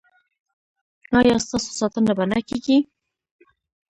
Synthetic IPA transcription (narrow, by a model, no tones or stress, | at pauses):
ɑjɑst̪ɑso̥sɑt̪ənabanakeɡi